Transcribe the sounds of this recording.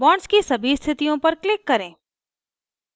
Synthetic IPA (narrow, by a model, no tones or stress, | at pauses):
bɔːɳskisɐbʱist̪ʰɪt̪ijõpɐɾklɪkːɐɾẽː